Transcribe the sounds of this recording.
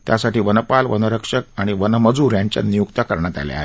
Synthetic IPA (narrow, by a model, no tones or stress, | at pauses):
t̪jasaʈiːʋənəpalʋənəɾəkʂəkaɽ̃iʋənəməd͡zuːɾjaɲt͡ɕja̰nijukt̪akəɾɳjat̪a̰lj̰a̰ɦe